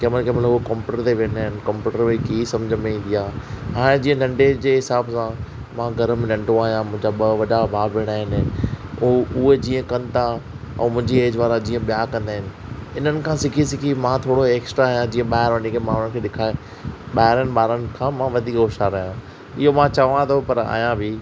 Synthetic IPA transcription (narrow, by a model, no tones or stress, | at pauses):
keːmənkʰeːmɐt̪ləbʊkɔ̃ːmpjuːʈəɾt̪eʋeɽ̃aːɦɪnɪ̆kɐ̃mpjuːʈəɾmẽkiːsɐ̃md͡ʑʱəmẽĩːnd̪ijaːɦaːɽ̃ẽd͡ʑĩːə̃nɐ̃ɳɖed͡ʑeːɦɪsaːbsã | mãːɡɐɾmnɐ̃ɳɖõaːɦijãmʊ̃ɦɪ̃d͡ʑaɓʋɐɗabʱaːbʋɪɽ̃aːɦɪn | ʊɦed͡ʑĩːə̃kɐ̃nt̪a | ɛ̰̃ːmʊ̃ɦɪ̃ɲd͡ʑieːd͡ʑʋaːɾad͡ʑĩːə̃ɓijakɐ̃nd̪aːɦɪnɪ̆ɪn̤ənɪ̆kʰãːsɪkʰisɪkʰimãt̪ʰoːɽoeːksʈɾaːɦijãd͡ʑĩːə̃ɓaːɦɪɾʋənikʰemãːnʊənkʰeːɗɪkʰaːe | ɓaːɦɪɾənɪ̆ɓaːɾənɪ̆kʰãmãʋɐd̪ʱiːkɡoːʃaɾɐɦijã | ɪɦomãt͡ɕɐʋãt̪ʰopɐɾa̰ːijãbʱɪ